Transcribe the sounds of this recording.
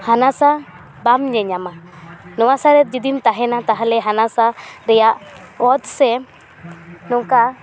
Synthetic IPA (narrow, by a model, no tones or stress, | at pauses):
hanasa | bamɲɛɲama | nɔwasaɾɛt̪̚d͡ʒid̪imt̪aɦɛnat̪aɦalɛɦanasaɾɛjaʔɔt̪̚sɛ | nɔŋka